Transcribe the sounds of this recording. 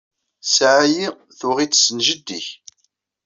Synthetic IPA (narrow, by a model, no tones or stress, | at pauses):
sʕaji | θʊʁit͡sːsənʒəd̪ːiç